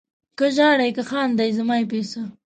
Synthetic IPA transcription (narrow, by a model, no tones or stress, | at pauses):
kəʒɑːɽajkəxɑːnd̪ajzamɑjep̬esə